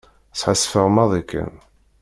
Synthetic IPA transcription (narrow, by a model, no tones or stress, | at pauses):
sħasːfəʁmɑðˤikːə̰n